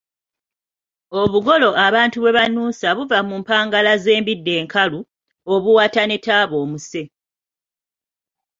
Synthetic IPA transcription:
o̞βuɡo̞lo̞ʔaβaːntuβwe̞βanuːsaβuvamuːmpaːŋɡalaze̞ːmbidːe̞ːŋkʰalu | o̞βuwaːtane̞taːβo̞ːmuse̞

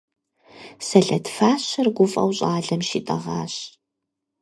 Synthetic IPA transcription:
sɐɮɐdfaːɕɐrɡʷʊfʼɐ̰wɕʼaːɮɐmʃiːtʼɐ̰ʁɑːɕ

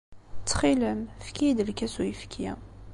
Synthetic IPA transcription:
t͡sːχiləmfkid̪əlkæsujəfkʰḭ

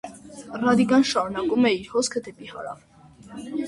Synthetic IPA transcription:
rɑd̪ikɑnʃɑɾunɑkumɛiɾhɔskʰəd̪ɛpihɑ̰ɾɑ̰v

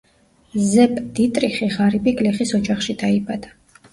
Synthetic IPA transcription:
zɛpʼd̪̥it̪ʼɾiχiʁaɾibikʼliχisɔd͡ʒaχʃid̪aibad̪̥a

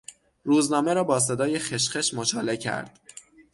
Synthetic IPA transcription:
ɾuːznɒːme̞ɾɒːbɒːs̬e̞d̪ɒːje̞xeʃχeʃmot͡ʃʰɒːle̞cʰæ̰ɾd̪̥

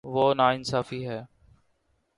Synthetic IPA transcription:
ʋoːnaːɪnsaːfiːɦɛː

